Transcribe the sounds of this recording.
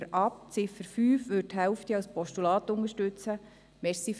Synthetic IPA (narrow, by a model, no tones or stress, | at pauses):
ɾɑp̚t͡sɪfəɾfyːfʋʏɾtɦɛʊftiɑlspɔʃtulɑːtʊŋəʃtʉt͡sə | mɛsif